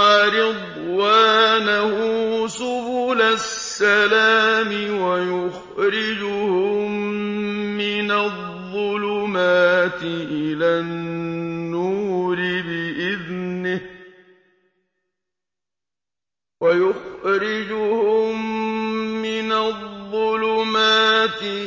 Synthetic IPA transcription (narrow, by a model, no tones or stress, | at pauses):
aɾɪd̪ˤ | waːnahʊsʊbuːlasːalaːmɪwajʊx | ɾɪd͡ʒʊhʊʊmmː | ɪnaðːʊlʊmaːt̪ɪʔɪlaːnnːuːɾɪbɪʔɪðnɪ | wajʊxɾɪd͡ʒʊhʊmː | ɪnaðˤːʊlʊmaːt̪ɪ